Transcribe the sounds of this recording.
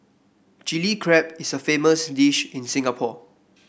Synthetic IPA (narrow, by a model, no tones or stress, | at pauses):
d͡ʒilikʰɹɛp̚ɪsəfeməsdiʃĩnsɪ̃ŋapʰɔ